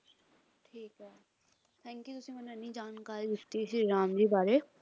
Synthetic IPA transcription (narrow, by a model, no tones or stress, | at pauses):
ʈʰiːkɦɛː | t̪ʰɛ̃ːŋkjut̪ʊsĩmɛːneɐnːid͡ʒaːnkaːɾid̪ɪkt̪iʃiɾaːmd͡ʒiːbaːɾe